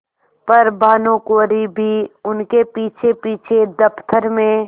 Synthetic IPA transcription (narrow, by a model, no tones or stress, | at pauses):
pɐɾbʱaːnõkoːɾibʱiʊnkepiːt͡ʃʰepiːt͡ʃʰed̪əpt̪ʰəɾmẽ